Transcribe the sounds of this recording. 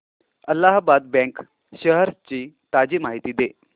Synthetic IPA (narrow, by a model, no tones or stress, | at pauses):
əlːaɦbad̪̚bɛ̃ŋk | ɕəɦəɾt͡ɕiː | t̪ad͡ʑiːmaɦit̪iːd̪e